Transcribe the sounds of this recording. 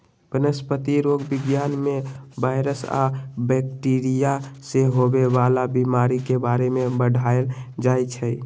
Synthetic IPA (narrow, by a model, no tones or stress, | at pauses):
bənəspət̪iɾoɡbɪɡjanmebaɪɾəsa̰bɛk̚ʈiɾijaseɦobebalabimaɾikebaɾemebəɽʱaeld͡ʒajt͡ʃʰəj